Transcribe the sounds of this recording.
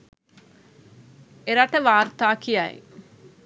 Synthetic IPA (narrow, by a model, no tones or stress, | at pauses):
eɾaʈəʋaːɾt̪aːkijajḭ